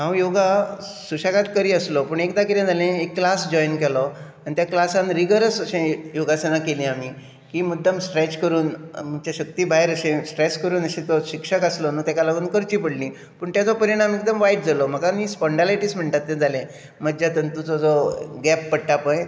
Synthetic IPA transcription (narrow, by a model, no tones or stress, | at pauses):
ɦãwjoɡa | suɕakat̪kəɾiːəslɔpuːɳekd̪akiɾãd͡zalẽekːlasd͡ʑɔjnkɛlɔanit̪jaklasãnɾiɡəɾəsəɕẽjoɡasenakelĩami | kimud̪ʱːamsʈɾɛt͡ɕkəɾuːnmət͡ɕaɕəkt̪ibʱaɦeɾəɕẽsʈɾeskəɾuːnəɕẽt̪ɔɕikʂəkaslɔnət̪jakalaɡuːnkəɾt͡ɕiːpəɽnĩ | puːɳt̪jat͡sɔpəɾiɽ̃amek̚d̪əmʋajiʈ̚d͡zalɔm̤əkamispɔɳɖalajʈiːsm̤əɳʈ̪at̪ːẽd͡zʱalẽ | məd͡ʑjat̪ənt̪ut͡sɔd͡zɔɡɛppəɽʈapəj